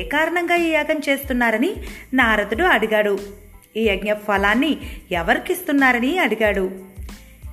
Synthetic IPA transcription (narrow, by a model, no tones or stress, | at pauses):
kaːɾɐɳɐŋɡaːiːjaːɡɐmt͡ʃe̞ːst̪unːaːɾɐninaːɾɐd̪uɽuɐɽuɡaːɽu | iːɐɡɲɐpʰɐlaːnːiɛʋɐɾikist̪unːaːɾɐniɐɽuɡaːɽu